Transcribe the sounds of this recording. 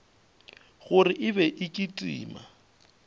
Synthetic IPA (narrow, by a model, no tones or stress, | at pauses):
ɣʊrɪʔɪbɛʔɪkʼitʼḭːma̰